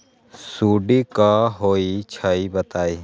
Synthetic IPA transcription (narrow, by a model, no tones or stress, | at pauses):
suːɖiːkaːɦoːit͡ʃʰaiːbət̪aːiː